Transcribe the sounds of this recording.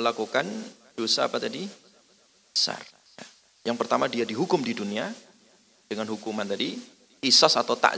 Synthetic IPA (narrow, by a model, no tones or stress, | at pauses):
əlakukan | dosaːpat̪adi | bbəsa̰r | ja̰ | jaŋpərt̪amadiadiɦukʊmdidunia | d̥əŋanɦukumant̪adi | isɔsat̪awt̪a̰ʔ